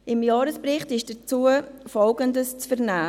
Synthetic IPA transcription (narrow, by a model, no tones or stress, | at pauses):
ʔɪmjɑːɾəspɾɪχtɪʃd̥ət͡suəfɔlɡəndəst͡sfəɾnæː